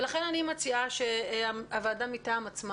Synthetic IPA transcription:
elaχe̞nanimat͡siaʃeaavaːdamitaːmat͡sma

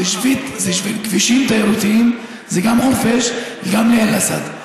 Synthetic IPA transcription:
eʃvit̪zeʃvilɡviʃimt̪aeʁutiim | zeɡamχofeʃlɡamlealasa̰d̪

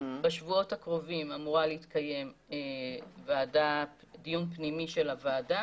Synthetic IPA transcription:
beʃvuo̞thakʁo̞vimamuʁaleit̪kaje̞mevaːdadijunpnimiʃe̞lavaːda

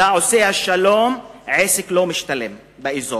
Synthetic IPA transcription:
aʕosehaʃalomʕesiklomiʃt̪alem | beʔizo

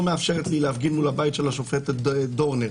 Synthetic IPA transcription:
meafʃeʁet̪lilehafɡinmulhabajtʃelaʃofetdo̞ʁneʁ

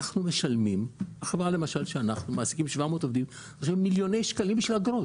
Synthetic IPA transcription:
naχnume̞ʃalmimhaχevʁalemaʃalʃeanaχnumaːsikimʃvamo̞ːt̪ovd̪im | oʃemːiljo̞ne̞jʃkalimbiʃvilaɡɾo

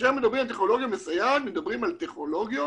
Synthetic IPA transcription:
emed̪abʁimalt̪eχnolo̞ɡjamesajad̪med̪abʁimalt̪eχno̞lo̞ɡjo

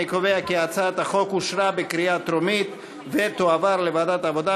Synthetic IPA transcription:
ikoveakiat͡sat̪aχo̞kuʃɾabekɾiat̪ɾomit̪ | vet̪oavaɾlevad̪at̪avo̞d̪a

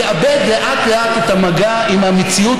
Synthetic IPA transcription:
eʔabed̪le̞ʔat̪leʔatethamaɡa | imhamet͡siu

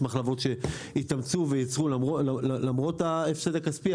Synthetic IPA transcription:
maχlavo̞tʃe̞ | itamt͡suvejat͡sʁulaoallamʁo̞taefsed̪akaspi

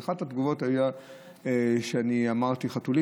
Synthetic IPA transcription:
χadhatɡuvo̞thaja | eʃeaniamaʁt̪iχatuli

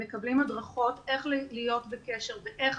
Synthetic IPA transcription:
ekɐblimadʁaχo̞te̞χllijo̞tbeke̞ʃe̞ʁveʔeχ

